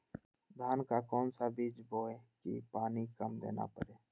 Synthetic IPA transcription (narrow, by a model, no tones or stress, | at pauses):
d̪ʱaːnkaːkɔːnsaːbiːd͡ʒboːeːkḭːpaːniːkəmd̪ḛːna̰ːpə̰ɾeː